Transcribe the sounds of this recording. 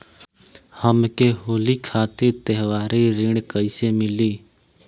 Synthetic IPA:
həmkeɦoːlikʰaːt̪eɾt̪əɦwaːɾiɾɪ̃ɳkəɪsemɪliː

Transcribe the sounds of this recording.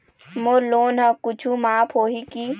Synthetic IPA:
moloːnɦãkʊt͡ʃʰumaːpʰɦoːɦikiː

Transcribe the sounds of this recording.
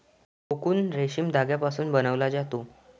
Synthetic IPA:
kokuːnɾeɕimd̪ʱaɡjapasuːnbənəʋlad͡zat̪o

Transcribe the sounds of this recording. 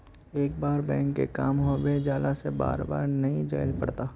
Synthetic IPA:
eːk̚baːɾbɛ̃ːŋkːḛkaːmɦobed͡ʒaːlaseba̰ːɾba̰ːɾnɐɦĩd͡ʒa̰ːɪlpɐɽt̪aː

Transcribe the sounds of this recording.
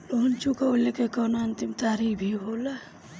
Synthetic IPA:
loɦnt͡ʃukaolekekɔnaənt̪imt̪aːɾibʱiɦola

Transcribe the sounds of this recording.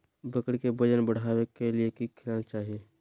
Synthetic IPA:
bəkɽkebəd͡ʒənbəɽ̤aːwekeliekikʰɪlanat͡ʃaːɦie

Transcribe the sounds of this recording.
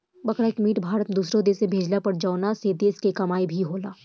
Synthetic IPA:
bɐkɾaekmiːʈbʱaːɾət̪d̪uːsɾõd̪eːsebʱeːd͡ʒlapɐɾd͡ʒaːnaseːd̪eɪskekɐmaːibʱiɦoːlaː

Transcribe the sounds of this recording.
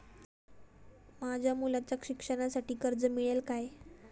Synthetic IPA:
mad͡ʑʱjamulat͡ɕjakʂikʂəɽ̃asaʈiːkəɾd͡zəmiɭelkaj

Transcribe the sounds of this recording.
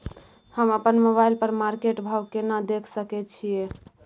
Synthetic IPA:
həməpənmoβajlpəɾmaɾkeʈbʱawkenad̪ekʰsəkɛt͡ʃʰie

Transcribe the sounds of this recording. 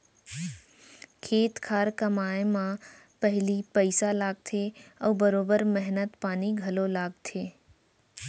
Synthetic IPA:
kʰeːt̪kʰaːɾkəmaːemã | pəɦɪlipəɪsalaːɡ̚t̪ʰeɔːbəɾoːbəɾmɛɦnət̪paːniɡʱɐlolaːɡ̚t̪ʰeː

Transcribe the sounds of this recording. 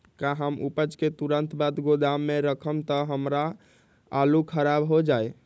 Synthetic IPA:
kaɦəmupət͡ʃket̪uɾənt̪bad̪ɡod̪amːeɾəkʰəmt̪əɦəmɾa | alukʰəɾabɦod͡ʒaj

